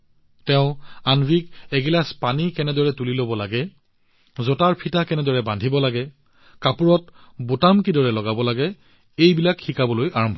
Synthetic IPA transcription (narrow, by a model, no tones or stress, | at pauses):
tɛʊ̃anbʱikɛɡilaspanikɛnɛdɔɹɛtulilobɔlaɡɛ | zɔtaɹpʰitakɛnɛdɔɹɛbandʱibɔlaɡɛ | kapuɹɔtbotamkidɔɹɛlɔɡabɔlaɡɛ | ejbilakxikabɔlojaɹɔmbʱɔ